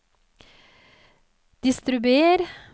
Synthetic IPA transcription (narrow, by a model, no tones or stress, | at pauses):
d̪̥ɪst̪ɾʉbʉeːɾ